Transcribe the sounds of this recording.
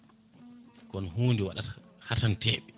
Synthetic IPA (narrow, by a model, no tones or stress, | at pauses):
kɔnɦuːndiwa̰ɗathatantɛːɓɛ